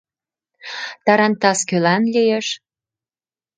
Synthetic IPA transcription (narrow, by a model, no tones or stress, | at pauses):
t̪ɑɾɑnt̪ɑskølɑnlʲijeʃ